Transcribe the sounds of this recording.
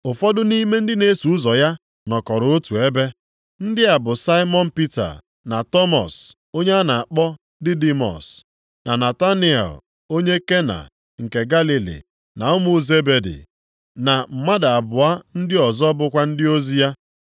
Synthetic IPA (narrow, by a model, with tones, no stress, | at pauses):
ʊ˨fɔ˦dʊ˦ni˦me˦n̩˦dɪ˦ne˨˦su˨˦zɔ˨ja˦ | nɔ˨kɔ˨ɾʊ˨o˦tu˨e˦be˦ | n̩˦dɪ˦a˨bʊ˨sa˦ɪ˦mɔ˦n̩˦˨pi˦ta̰˨ | na˨tɔ˦mɔ̰˨s | o˦ɲe˦a˦na˨a˨k͡pɔ˦ | dɪ˦di˦mɔ̰˨s | na˨na˨ta˦ni˦ɛ̰˨l | o˦ɲe˦ke˦na̰˨ | ŋ̩˨ke˨ɡa˦li˨lḭ˨ | na˨ʊ˦mʊ˦˨ze˦be˨dḭ˨ | na˨m̩˨ma˦da˨a˨bʊ˨a˦n̩˦dɪ˦ɔ˨zɔ˦bʊ˦kʷa˦n̩˦dɪ˦o˦zi˦ja˦